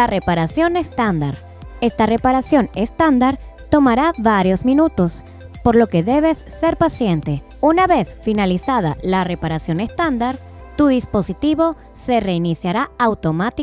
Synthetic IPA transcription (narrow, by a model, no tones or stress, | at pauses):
lare̞paɾasjo̞ne̞st̪and̪aɾ | e̞st̪are̞paɾasjo̞ne̞st̪and̪aɾ | t̪o̞maɾaβaɾjo̞zmĩnut̪o̞s | po̞ɾlo̞ke̞ðe̞βe̞sːe̞ɾpasje̞nt̪e̞ | unaβe̞sfinalisaðalare̞paɾasjo̞nest̪and̪aɾ | t̪uðispo̞sit̪iβo̞ | se̞re̞inisjaɾaawt̪o̞mat̪i